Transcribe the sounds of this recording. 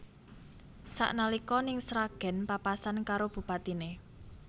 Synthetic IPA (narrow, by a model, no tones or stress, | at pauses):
sa̰ʔnalikɔnɪŋsɾaɡ̥ɛ̤npapasankaɾob̥ṳpat̪ine